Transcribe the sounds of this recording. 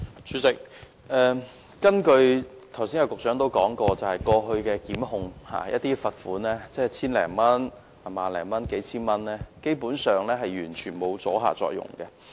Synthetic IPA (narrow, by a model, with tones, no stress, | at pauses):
t͡ʃʰyː˨˧˥t͡sɪ˨k̚ | ʔɛː˨˧ | kɐ˥nkɵ˧ɥt̪ʰɐ˨˩wsiː˥njɐ˧kʊ˨k̚t͡ʃœː˨˥ŋt̪o˥wkɔː˨˥ŋkɔː˧t͡sɐ˨whɐ˨jkɔː˧ɦɵ˧ɥkɛː˧kiː˨˥mhʊ˧ŋha̰ː˨jɐ̰˦t̪iː˥fɐ˨t̚fuː˨˥nlɛː˥t͡sɛː˥t͡sʰiː˥nlɛ̰ː˨˩ŋmɐ˥n | a˨˩maː˨nlɛː˨˩ŋmɐ˥nke˨˥jt͡sʰiː˥nmɐ˥nlɛː˥ke˥jpuː˨˥nsœː˨ŋlɛː˥ɦɐ˨jɥyː˨˩nt͡ʃʰyː˨˩nmo˨˧wt͡sɔː˨˥ɦa̰ː˨t͡sɔ̰ː˧k̚jʊ̰˨˩ŋkɛ˧